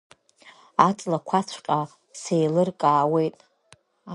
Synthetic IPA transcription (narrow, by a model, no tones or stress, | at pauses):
at͡sʼlakʷʰat͡sʷʰqʼa | sejlɨrkʼaːwe̞jtʼ | a